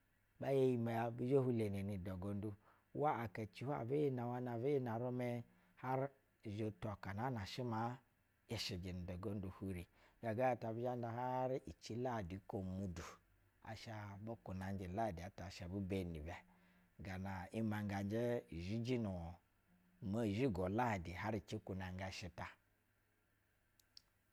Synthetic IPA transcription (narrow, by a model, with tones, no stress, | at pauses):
ba˦je˦ji˧ma˨ja˧bi˦d͡ʒo˦hu˦le˨ne˨ni˨dɔ˨ɡo˨n˦du˦ | wa˦a˨ka˨t͡ʃi˦ha̰˨be˦e˦na˨wa˦na˨ve˦ji˦na˨ɾo˦mɛ˦ | ha˦ɾ | ʒo˨tɔ˨ka˨na˨˦na˨ʃi˦ma˦ | e˨ʃi˨d͡ʒi˨ni˨dɔ˨ɡo˦ndu˨hu˦ɾi˨ɡa˨ɡa˦ja˨ta˨bi˦a˦n˦da˨ha˦ɾi˨t͡ʃi˦la˦˨di˨˦ko˨mu˨du˨ | a̰˨ʃa˧bo˦ku˨na˨n˦d͡ʒi˨la˦˨di˨a˨ta˨ʃa˨bu˦be˨ni˨bɛ˨ | ɡa˨na˨i˦ma˨ŋɡa˨n˦d͡ʒe˦˨ʒi˦d͡ʒi˦nu˨ | ma˦˨ʒi˦ɡɔ˨la˦˨di˨ɦa˦ɾi˨t͡ʃi˦ku˨na˨ŋ˦ɡa˨ʃi˦ta˨